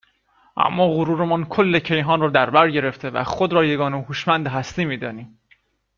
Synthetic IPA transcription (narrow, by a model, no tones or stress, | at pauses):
ʔæ̰mːɒːɣoɾuːɾemɒːnkʰolːecʰe̞jɦɒːnrɒːd̪æɾbæɾɟe̞ɾe̞ft̪ʰe̞væ̰xod̪ɾɒːje̞ɡɒːneɦuːʃmænd̪eɦæst̪iːmiːd̪ɒːniːm